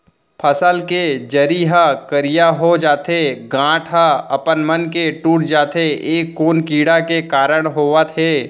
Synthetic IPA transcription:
pʰəsəlked͡ʒəɾiɦəkəɾɪjaɦod͡ʒaːt̪eɡãːʈʰɦəɐpənmənkeʈuːʈʰd͡ʒaːt̪eeːkːoːnkiːɽakekaːɾəɽ̃ɦoːʋət̪ɦɛː

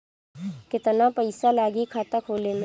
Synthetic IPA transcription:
kɪt̪napəɪsalaːɡikʰaːt̪akʰoːlemẽ

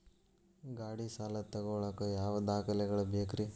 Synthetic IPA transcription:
ɡaːɽisaːlɐt̪ɐɡoɭɐkɐjaːʋɐd̪aːkɐlɛɡɐɭɐbʱeːkɾi

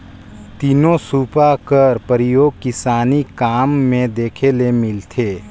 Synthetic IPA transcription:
t̪inosuːpakəɾpəɾɪjoːɡ̚kɪsaːnikaːmːẽd̪eːkʰelemɪlt̪ʰeː

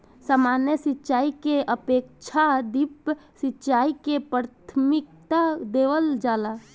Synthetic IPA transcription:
saːmanjəsitːt͡ʃaːikeəpek̚t͡ʃʰad̪ipsitːt͡ʃaːikepɾat̪ʰəmɪk̚t̪ad̪eːʋəld͡ʒaːla

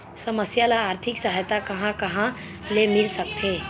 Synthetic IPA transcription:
səməsjalaːɾt̪ʰɪksəɦajt̪akɐɦãkɐɦã | lemɪlsək̚t̪ʰe

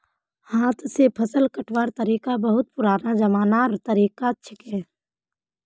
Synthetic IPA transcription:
haːt̪ʰsepʰəsəlkəʈʰʋaːɾt̪əɾiːkabəɦʊt̪̚pʊɾaːnad͡ʒɐmaːnaːɾt̪əɾiːkatːʃʰəkɛː

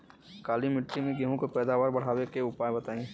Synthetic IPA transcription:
kaːlimɪʈɾimẽɡeɦõkopɛːd̪aːʋaːɾbɐɽ̤aːwekeʊpaːebɐt̪aːẽŋɡe

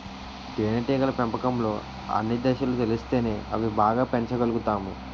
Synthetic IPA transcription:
ɖeːnɐʈiːɡɐlɐpempɐkɐmlo̞ː | ɐ̰nːid̪ɛʃɐlut̪elist̪e̞ːne̞ːɐ̰ʋibaːɡaːpeɲt͡ʃɐɡɐluɡut̪aːmṵ

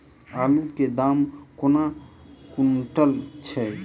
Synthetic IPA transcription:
aluked̪amkona | kunʈəlt͡ʃʰɛ

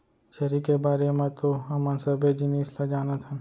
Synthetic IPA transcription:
t͡ʃəɾikebaːɾemẽt̪oɐmənsəbed͡ʒɪniːslad͡ʒaːnat̪ʰa

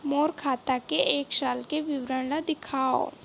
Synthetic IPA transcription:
moːɾkʰaːt̪akeʔeːkʃaːlkeʋɪwɾəɽlad̪ɪkʰaːo̰

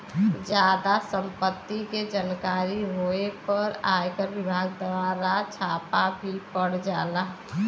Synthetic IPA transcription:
d͡ʒjaːd̪asə̃mpət̪ːiked͡ʒankaːɾiɦoepəɾaːjkəɾʋɪbʱaːɡ̚d̪əaɾat͡ʃʰaːpabʱipəɽd͡ʒaːlaɦ

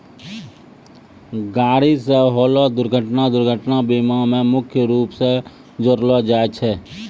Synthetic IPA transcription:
ɡaːɾiseɦoːlod̪ʊɾɡʱəʈnad̪ʊɾɡʱəʈnabiːmamẽmʊkʰjəɾuːpse | d͡ʒoɾlod͡ʒaːt͡ʃʰɛː

